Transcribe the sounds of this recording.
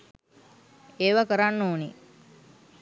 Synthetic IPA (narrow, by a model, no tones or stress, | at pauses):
eːʋakəɾanːoːni